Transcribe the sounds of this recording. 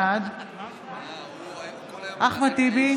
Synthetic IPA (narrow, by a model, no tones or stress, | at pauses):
ad̪ | ʔaχmat̪ibi